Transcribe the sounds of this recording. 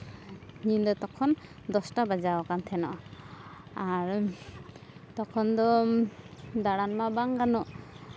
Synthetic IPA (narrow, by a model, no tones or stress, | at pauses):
ɲind̪ɔt̪ɔkʰɔn | d̪ɔstabad͡ʒawakant̪ʰɛnɔ̰ | aɾ | t̪ɔkʰɔnd̪ɔ | d̪aɽanmabaŋɡanɔ